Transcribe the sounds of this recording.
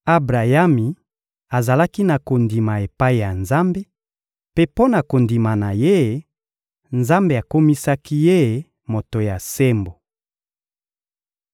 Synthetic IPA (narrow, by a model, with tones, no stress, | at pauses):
a˦bʁa˨ja˦mi˨ | a˨za˨la˦ki˦na˨ko˨ndi˨ma˨e˨pa˦i˨ja˨nza˦mbe˦ | pe˦po˦na˨ko˨ndi˨ma˨na˨je˦˨ | nza˦mbe˨a˨ko˦mi˦sa˦ki˦je˦˨ | mo˨to˨ja˨se˦mbo˨